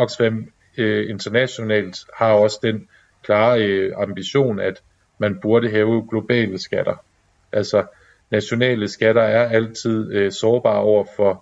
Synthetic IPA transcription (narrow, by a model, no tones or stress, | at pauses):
ɒ̽ɡ̥sfem̰ | øe̝nd̥ʰɐnæɕo̝nɛ̰ːld̥hɑ̈ɒ̽sə̥d̥en | kʰlɑ̈ːɑ̈mb̥iɕo̝̰ːnæd̥ | mænb̥uɐɾəɦɛːʊəɡ̥lo̝b̥ɛ̰ːləsɡ̥æɾ̥ɐ | ʔælsɒ | næɕo̝nɛ̰ːləsɡ̥æɾɐæɐæl̰t͡sʰið̞̰ˠøsɒːb̥ɑ̰̈ːɒʊ̰ɐfɒ̽